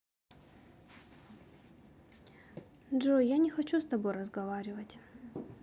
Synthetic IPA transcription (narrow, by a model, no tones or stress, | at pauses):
dʐojanʲɪxɐt͡ɕust̪ɐbo̞jrəzɡɐvaɾʲɪvətʲ